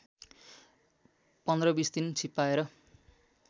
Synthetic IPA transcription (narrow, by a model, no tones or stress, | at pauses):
pʌnd̪rʌbisd̪int͡sʰipːaeɾʌ